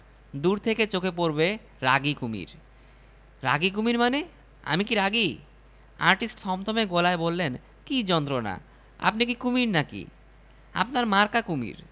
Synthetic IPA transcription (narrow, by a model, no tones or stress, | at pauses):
d̪uɾt̪ʰeket͡ɕokepoɾbe | ɾa̰ɡikumḭɾ | ɾa̰ɡik̬umiɾmane | a̰mikiɾaɡi | a̰ɾʈisʈsɔmt̪ʰomeɡolaebolːen | kid͡ʑɔnt̪ɾona̰ | a̰pnikikumiɾnakḭ | a̰pnaɾmaɾkakumḭɾ